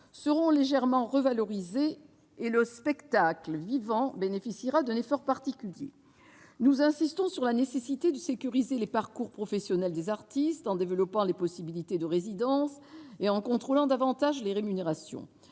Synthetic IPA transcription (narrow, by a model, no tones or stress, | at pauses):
səʁɔ̃leʒɛʁmɑ̃ʁəvalɔʁizeː | ləspɛkt̪akləvivɑ̃benefisiʁad̪ɛ̃nefɔʁpaʁt̪ikʲyljḛ | nuzɛ̃sist̪ɔ̃syʁlanesesit̪ed̪əsekʲyʁizelepaʁkuʁpχɔfɛsjɔnɛld̪ezaʁt̪ist̪ɑ̃d̪evəlɔpɑ̃lepɔsibilit̪ed̪əʁezid̪ɑ̃seɑ̃kɔ̃t̪χolɑ̃d̪avɑ̃t̪aʒleʁemyneʁasjɔ̰̃